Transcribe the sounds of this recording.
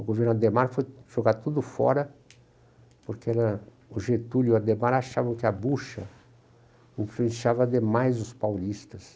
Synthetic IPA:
ʊɡoveɾnuad̪emaɾfojʒ̥oɡaɾt̪ud̪ʊfɔ̰ɾɐ | poɾkeɛɾɐ | ʊʒet̪uʎʊad̪emaɾaʃavɐ̃w̃kɪɐbuʃɐ | ʊ̃fĩʃavɐd̪emajzʊspawlist̪ɐs

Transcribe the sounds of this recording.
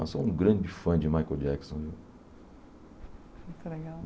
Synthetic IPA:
ɐ̰̃sõũɡɾɐ̃d͡ʒɪfɐ̃d͡ʒɪmajkod͡ʒɛksõve | mũjt̪leɡaw

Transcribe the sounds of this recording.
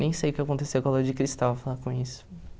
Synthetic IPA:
nẽj̃sejʊkɪakõnt̪esewkaloɾd͡ʒɪkɾist̪awɐfalakõisʊ̥

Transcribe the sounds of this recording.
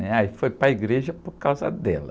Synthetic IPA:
nɛaifojpɾɐiɡɾeʒɐpoɾkawzɐ̰d̪ɛlɐ

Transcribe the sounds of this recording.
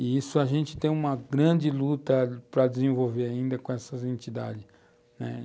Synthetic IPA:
ɪisʊaʒẽnt͡ʃɪ̥t̪ẽj̃ũmɐɡɾɐ̃d͡ʒɪlut̪ɐpɾɐd͡ʒɪzẽvowveɾaĩnd̪ɐkõɛsɐzẽnt͡ʃid̪a̰d͡ʒɪs | nɛ̰

